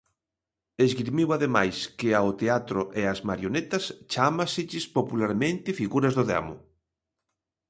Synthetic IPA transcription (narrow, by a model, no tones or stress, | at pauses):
ezɣiɾmiwaðemajskɪaot̪eat̪ɾʊʔeazmaɾjonet̪ɐst͡ʃamasɪʎɪspopulaɾmẽnt̪ɪfiɣuɾɐzðʊða̰mʊ̰